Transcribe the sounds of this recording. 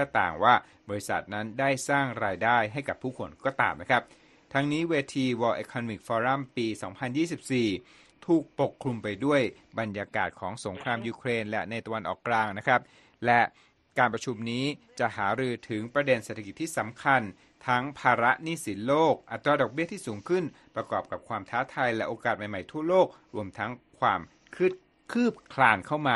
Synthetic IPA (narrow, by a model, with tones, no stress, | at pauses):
t̪ʰɛː˥˩t̪a̰ː˨˩ŋwaː˥˩ | bɔː˧ɾi˦˥sa̰˨˩t̪̚na˦˥ndaː˥˩jsaː˥˩ŋɾaː˧jdaː˥˩jɦa˥˩jka˨˩pʰːuː˥˩kʰo˧nkɔː˥˩t̪a̰ː˧mna˦˥kʰɾa˦˥p̚ | t̪ʰa˦˥ŋniː˦˥weː˧t̪ʰiː˧wɔː˧ʔe˧kʰːɔː˧nɔ˧mi˨˩k̚fɔː˧ɾa˥˩mpiː˧sɔː˩˦ŋpʰa˧njiː˥˩si˨˩p̚siː˨˩ | t̪ʰuː˨˩k̚po˨˩kʰːlu˧mpa˧jdu˥˩əjba˧njaː˧ka̰ː˨˩t̪̚kʰɔː˩˦ŋso˩˦ŋkʰɾaː˧mjuː˧kʰɾeː˧nlɛ̰˦na˧jt̪a˧wa˧nʔɔ̰ː˨˩kːlaː˧ŋna˦˥kʰɾa˦˥p̚ | lɛ˦˥ʔ | kaː˧npɾa˧t͡ɕʰu˧mniː˦˥t͡ɕa˨˩ʔhaː˩˦ɾɯː˧t̪ʰɯ˩˦ŋpɾa˧de˧nse˨t̪ʰːa˧ki˨˩t̪ːʰiː˥˩sa˩˦mkʰa˧n | t̪ʰa˦˥ŋpʰaː˧ɾa˦˥ʔniː˥˩si˩˦nloː˥˩k̚ʔa˨˩t̪ːɾaː˧dɔ˨˩k̚bi˥˩t̪ʰiː˥˩suː˩˦ŋkʰɯ˥˩n | pɾa˧kɔː˨˩p̚ka˨˩p̚kʰwaː˧mt̪ʰaː˦˥t̪ʰaː˧jlɛ˦ʔoː˧kaː˨˩t̪̚ma˨˩jma˨˩jt̪ʰu˥˩ɐloː˥˩k̚ | ɾu˧əmt̪ʰa˦˥ŋkʰwaː˧m | kʰɯ˥˩t̚ | kʰɯː˥˩p̚kʰlaː˧nkʰa˥˩wmaː˧